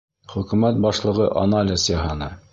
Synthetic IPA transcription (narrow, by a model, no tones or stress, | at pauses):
χɵ̆kʉmæt̪̚bɑʃlˠɤ̆ʁɤʔɐ̰nalʲɪsjɑɦɑnɤ